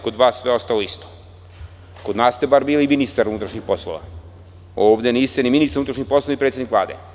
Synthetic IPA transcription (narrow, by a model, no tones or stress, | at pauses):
ko̞d̪ʋaːsːʋeo̞st̪aloist̪o̥ | kod̪naːst̪ebaːɾbiːliminist̪aɾunut̪ɾaʃɲixpo̞slˠo̰ʋa̰ | oːʋd̪eniːst̪eniminist̪aɾut̪ɾaʃɲipo̞sloaipɾet̪sʲjenikʋlˠa̰ːd̪ḛ